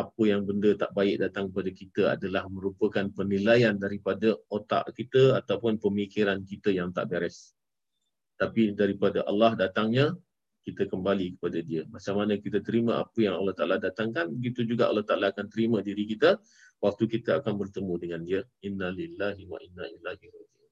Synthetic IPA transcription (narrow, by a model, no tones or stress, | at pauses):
ʔapəjaŋbəndət̪aʔbaɪʔ̚dat̪aŋkəpadakit̪əa̰dalahmə̃ɾupəkanpənilajandaɾipadəot̪a̰ʔkit̪əat̪awpʊnpəmikiɾankit̪əjaŋt̪a̰ʔbɛɾɛs | t̪apidaɾipadaʔa̰lːɑhdat̪aŋɲa | kit̪əkəmbalikə̥padadiəmat͡ʃaŋmanəkit̪ət̪əɾimãʔa̰pəjaŋalːɑht̪aʔalahdat̪aŋkanbəɡit̪ud͡ʒuɡaʔa̰lːɑht̪aʔalaːkant̪əɾimə̃diɾikit̪ə | wak̚t̪ukit̪əakanbərt̪əmudəŋandiəʔinːalilːaɦiwa̰ʔinːaʔilːaɦirad͡ʒu